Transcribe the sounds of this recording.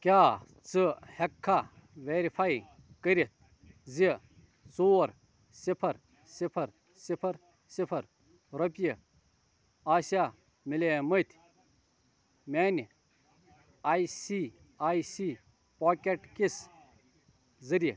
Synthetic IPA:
kʲaː | t͡sɨhɐkʰːa | ʋeːɾipʰaːj | kəɾʲit̪̚ʰ | zi | t͡soːɾ | sipʰɐɾ | sipʰɐɾ | sipʰɐɾ | sipʰɐɾ | ɾɐpji | aːsaː | milʲemɐt̪ʲʰ | meːn | aːjsiː | aːjsiː | poːkʲeʈkis | zɐɾi

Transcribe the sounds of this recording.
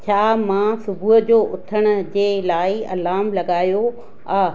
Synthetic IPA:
t͡ɕʰaːmãːsʊbʱuɦ̆d͡ʑoːʔʊt̪ʰəɽ̃ʊ̆d͡ʑeːlaːɪɐ̰laːmlɐɡaːjo | a

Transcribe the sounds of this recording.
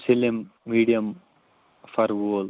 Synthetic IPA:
silimːiːɖijɐm | fɐɾʋoːl

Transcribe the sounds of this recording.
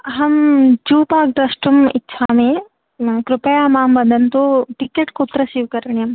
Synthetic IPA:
ɦɐmd͡ʒuːpaːk̚d̪ɐsʈumitːʃʰaːmẽ | kɾɪpɐjaːmaːmbɐnd̪ʱɐnt̪oːʈɪkeʈkoːt̪ɾɐsiːʋkɐɾɐɳjɐm

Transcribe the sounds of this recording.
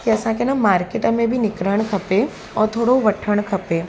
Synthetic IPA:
kiɐsãkenamaːɾkeʈɐmẽbʱinɪkɾəɳ̃kʰɐpe | ɔːɾt̪ʰoːɽoʋɐʈʰəɽ̃kʰɐpe

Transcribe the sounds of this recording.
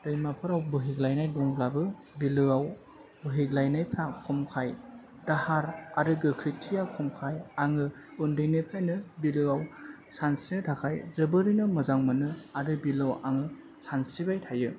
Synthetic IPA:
dɯjmapʰɯɾawbɯɦiɡlajnajdɔŋblabɯ | bilɯaw | bɯɦiklajnajpʰɾakʰumkʰaj | dahaɾaɾɯɡɯkʰɾitʰijawkʰumkʰajaŋɯ | undɯjnepʰajnɯbilɯaw | sansinɯtʰakʰajzɯbɯɾinɯmɯzaŋmɯnɯaɾɯbilawa̰ŋɯ | sansibajtʰajɯ

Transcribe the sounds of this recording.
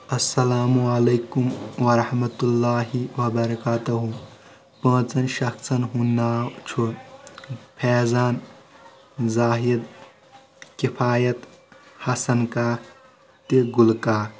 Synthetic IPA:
ɐsːɐlaːmuɐlejkumwɐɾɐhmɐt̪ulːaːɦiwɐbɐɾɐkaːt̪ɐɦu | pə̃ːt͡sɐnʃɐkt͡sʰɐnɦunːat͡ʃʰu | pʰɛːzaːn | zaːɦid̪ | kipʰaːjɐt̪hɐsɐnka | t̪eɡulkaː

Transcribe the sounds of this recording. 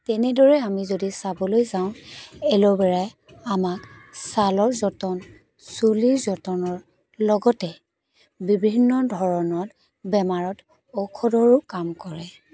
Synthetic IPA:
tɛnɛdɔɹɛamizodisabɔlojzaʊ̃ɛlɔbɛɹaj | amaksalɔɹzɔtɔn | suliɹzɔtɔnɔɹ | lɔɡɔtɛ | bibʱinːɔdʱɔɹɔnɔt | bɛmaɹɔt | ɔkʰɔdɔɹʊkamkɔɹɛ

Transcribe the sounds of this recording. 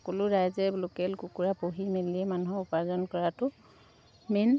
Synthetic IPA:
ɔkɔlʊɹajzɛblokɛlkukuɹapoɦimeliɛmanuɦɔʊpazɔnkɔɹatʊ | men

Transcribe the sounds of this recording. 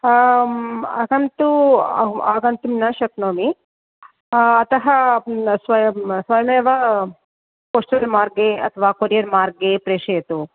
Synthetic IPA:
ɐ̰ɡɐnt̪u | aːɡɐnt̪umnɐʃɐknoːmi | ɐt̪ɐɦɐsʋɐsʋɐːjɐmeːʋɐ | koːʂʈɐɾmaːɾɡeɐ̰t̪ʰɐʋaːkoɾijɐɾmaːɾɡepɾeːʂeːɐt̪u

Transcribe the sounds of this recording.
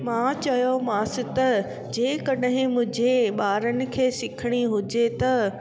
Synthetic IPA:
mãt͡ɕɐjomãːsɪt̪ɐ | d͡ʑeːkɐɗɦɪ̃mʊ̃ɦd͡ʑʱeɓaːɾənɪ̆kʰeːsɪkʰɪɽ̃iɦʊd͡ʑet̪ɐ

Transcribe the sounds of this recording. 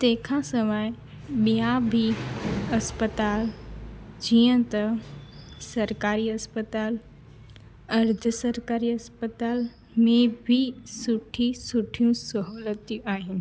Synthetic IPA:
t̪eːkʰãsəməj | bijabʱiəspət̪aːl | d͡ʒiə̃t̪ə | səɾkaːɾiəspət̪aːl | əɾd̪ʱəsəɾkaːɾiəspət̪aːl | mẽbʱisuʈʰisuʈʰijũsəɦolət̪iʔaːɦɪni

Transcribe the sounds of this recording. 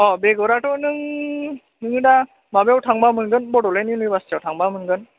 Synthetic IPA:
ɔbeɡɔɾatɔnɯŋ | nɯŋɯda | mabejawtʰaŋbamɯnɡɯnbɔdɔleninɯjbastiawtʰaŋbamɯnɡɯn

